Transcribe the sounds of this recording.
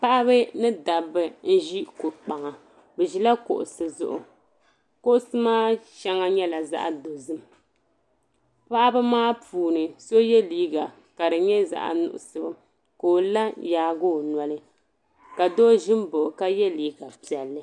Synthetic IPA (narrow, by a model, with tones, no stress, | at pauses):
pa˦ʔa˦βɨ˦nɨ˦da˨bɨ˦n̩˦ʒi˦ku˨k͡pa˨ŋa˨ | bɛ˨ʒi˦la˦ko̰˨ʔʊ̰˨sɨ˨zʊ̰˦ʔʊ̰˨ | ko˦ʔʊ˦sɨ˦maː˦t͡ʃɛ˦ŋa˦ɲɛ˦la˨za̰˦ʔa̰˨do˨zɨ˦m | pa˦ʔa˦bɨ˦maː˦puː˨nɨ˨so˦jɛ˦liː˦ɡa˨ | ka˨dɨ˨ɲɛ˦za̰˦ʔa̰˨nʊ̰˨ʔʊ̰˨sɨ˦˨bɨ˦ | koː˨la˦jaː˨˦ɡo˦˨nwa˨lɨ˦ | ka˨do˦ʒɪ˦mbo˨ʔʊ˨ka˦jɛ˦liː˦ɡa˨pi˨ɛ˨lːɨ˦